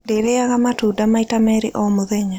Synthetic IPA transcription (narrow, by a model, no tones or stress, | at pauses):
ndeɾeaɣamatudamaitamɛɾeʔɔmoðɛɲa